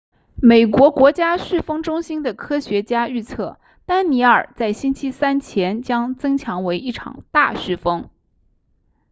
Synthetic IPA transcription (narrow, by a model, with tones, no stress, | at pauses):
me˨˩ɪkwɔ˧˥kwɔ˧˥t͡ɕja˥ɕy˥˩fɤ˥ŋʈ͡ʂʊ˥ŋɕi˥nd̪ə˨kʰɤ˥ɕɥɛ˧˥t͡ɕja˥y˥˧t͡sʰɤ˥˩ | t̪a˥nni˧˥ə̰˞˨˩t͡sa˥˩ɪɕi˥nt͡ɕʰi˥sa˥nt͡ɕʰjɛ˧˥nt͡ɕjɑ˥ŋt͡sɤ˥ŋt͡ɕʰjɑ˧˥ŋwe˧˥ɪi˥˩ʈ͡ʂʰɑ̰˨˩ŋt̪a˥˧ɕy˥˩fɤ˥ŋ